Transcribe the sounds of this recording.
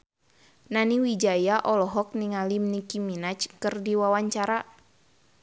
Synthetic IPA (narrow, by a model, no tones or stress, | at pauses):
naniwid͡ʒajaʔɔlɔɦɔk̚niŋalimnikiminat͡ʃkɨrdiwawaɲt͡ʃaɾa